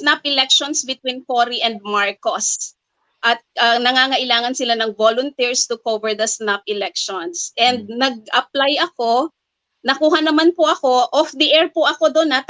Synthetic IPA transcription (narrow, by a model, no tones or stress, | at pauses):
snapʔɪlɛkʃonsbɪt̪̚winkoɾiʔɛ̃nd̪̚maɹkos | ʔɐt̪̚ɐnɐŋaːŋɐʔɪlaːŋɐnsɪlanɐŋvolʊnt̪iɹst̪ʊkovɛɹd̪ɐsnapɪlɛk̚ʃɔnsʔɛnd̪̚nɐɡ̚ʔɐplajɐko̞ | nɐkuːhɐnɐmanpʊʔɐko̞ʔɔfd̪iʔɛɹpʊʔɐkod̪onɐt̪